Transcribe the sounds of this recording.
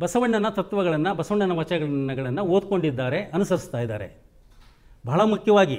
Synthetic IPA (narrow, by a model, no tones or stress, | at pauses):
bɐsɐʋɐɳːɐnɐt̪ɐt̪ʋɐɡɐɭɐnːɐbɐsɐʋɐɳːɐnɐʋɐt͡ʃɐɐɡɐɐɡɐɭɐnːɐoːd̪̚ko̞ɳɖid̪ːaːɾe̞ɐnusɐɾist̪aːjid̪a̰ːɾe̞̰ | bʱɐːɭɐmukʰjɐʋaːɡi